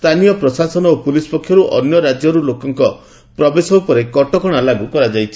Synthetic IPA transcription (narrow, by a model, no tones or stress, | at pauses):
st̪ʰanijɔpɾɔsasɔnɔopulisɔ̥pɔkʰːjɔɾuʔɔ̰njɔɾad͡ʒjɔɾulokɔŋkɔ | pɾɔbesɔupɔɾekɔʈɔkɔɽ̃alaɡupɔɾad͡ʒajt͡ʃʰi̥